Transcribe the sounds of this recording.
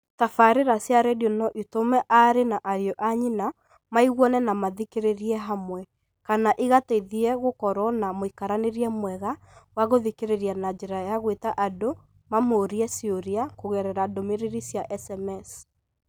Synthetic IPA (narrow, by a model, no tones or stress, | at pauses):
tafaɾeɾasjaɾɛdonɔʔitomɛʔaɾenaʔaɾjɔʔaɲina | maiɣwɔnɛnamaðikeɾeɾiɛɦamwɛ | kanaʔiɣateiðiɛɣokɔɾɔnamoikaɾaneɾiɛmwɛɣa | waɣoðikeɾeɾianad͡ʒeɾajaɣwetaʔado | mamoːɾiɛsioɾiakoɣɛɾɛɾadomeɾeɾisjaʔɛsɛmɛs